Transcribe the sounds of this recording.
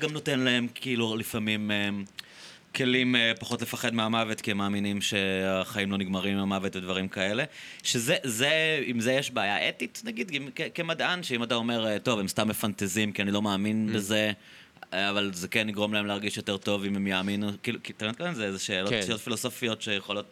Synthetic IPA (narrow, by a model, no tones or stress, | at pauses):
ɡamno̞tenlae̞mkʰiilulifamimem | kʰe̞limpaχo̞tle̞faχed̪meamavet̪kiemaːminimʃe̞aχaimlo̞niɡmaʁimiamavetved̪vaʁimkae̞le̞ʃezezeimzejeʃbeajaʔetitnaɡid̪imkekemad̪anʃeimatao̞me̞ʁeto̞vemst̪amefantezimkianilo̞maːminbeze | avalzekenːiɡʁo̞mlaemleaʁɡiʃjo̞te̞ʁt̪o̞vimemjaːminukiːlukit̪aintkavinzeezeʃeːloijot̪filoso̞fijo̞tʃejeχolo̞t̚